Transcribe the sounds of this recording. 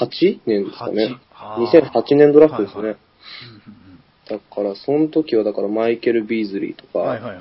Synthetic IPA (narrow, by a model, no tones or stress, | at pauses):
hat͡ɕinẽ̞nd̪e̞sɨ̥ka̰ne̞ | ɲ̟isẽ̞ɰ̃hat͡ɕinẽnd̪o̞ɾaɸːɯ̟d̪e̞sɨne̞ | d̪̥akaɾasõ̞not̪o̞kʲiβ̞ad̪akaɾamaike̞ɾɯ̟bʲizɨɾʲḭt̪o̞ka